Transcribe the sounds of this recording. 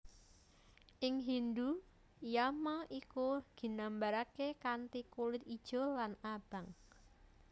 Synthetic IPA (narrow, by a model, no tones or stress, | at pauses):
ʔɪŋɦind̪u | jamaʔikuɡ̥i̤nambaɾakekant̪ikulɪt̪̚id̥ʒ̥ɔ̤lanab̥ä̤ŋ